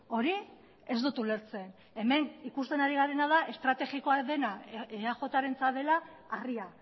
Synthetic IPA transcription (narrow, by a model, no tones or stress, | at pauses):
o̞ɾi | e̞zd̪ut̪ule̞ɾt͡se̞n | e̞me̞nikust̪e̞naɾiɣ̞aɾe̞nað̞aʔe̞st̪ɾat̪e̞ɣiko̞aðe̞naeaʝo̞t̪aɾe̞nt͡saðe̞laː | ria